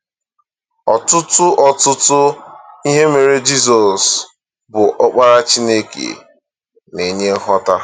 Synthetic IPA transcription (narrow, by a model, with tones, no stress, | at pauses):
ɔ˨tʊ˦tʊ˦ʔɔ˨tʊ˦tʊ˦i˦ɦe˦me˨ɾe˦d͡ʒi˦sɔ˨s | bʊ˨ʔɔ˦k͡pa˦ɾa˦t͡ʃi˦ne˦kḛ˨ | ne˨ɲe˦ɦɔ˦ta˦